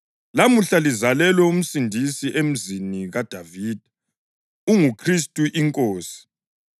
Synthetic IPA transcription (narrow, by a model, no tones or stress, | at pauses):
lamuɬalizalɛlwɛum̩sindʱisiʔem̩ziniɣad̥ʱaviːd̥ʱa | uŋukʰristʼuʔiŋkʼoːsi̥